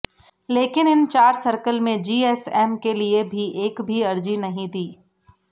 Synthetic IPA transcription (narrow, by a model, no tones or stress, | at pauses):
leːkɪnɪnt͡ʃaːɾsəɾkəlmẽd͡ʒiːɛːsɛːmkeliebʱiʔeːkbʱiɐɾd͡ʒinɐɦĩd̪iː